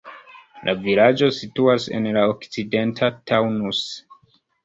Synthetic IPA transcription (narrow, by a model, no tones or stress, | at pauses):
lʔavilad͡ʒo̞situase̞̰nlaokt͡side̞ntʰatʰawnus